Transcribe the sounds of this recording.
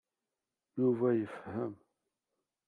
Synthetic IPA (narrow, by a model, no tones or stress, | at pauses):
juvæjəfhəm